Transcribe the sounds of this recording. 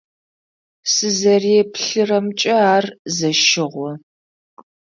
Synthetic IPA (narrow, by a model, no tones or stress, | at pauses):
sɨzɐrepɬɨrɐmt͡ʃʼɐaːrzɐʃɪʁʷɔ